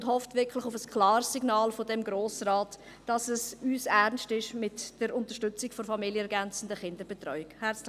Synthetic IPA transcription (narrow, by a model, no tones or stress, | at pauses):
ʊndhɔftvɪkʰlɪχʊfəskʰlɑːɾsːiɡnɑːlfodɛmɡɾoːsraːt | d̥ɑsəsyːsɛɾʁnstɪʃmɪtd̥əɾʊntəʃtʏt͡sɪkfofɑmiljəɛɾɡɛnt͡sən̩dəχɪndəɾb̥ɛtɾɔʏɪkhæɾt͡s